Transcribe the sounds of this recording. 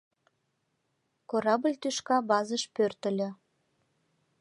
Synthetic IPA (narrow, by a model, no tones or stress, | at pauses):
koɾɑblʲt̪yʃkɑbɑzəʃpørt̪ə̆lʲø̆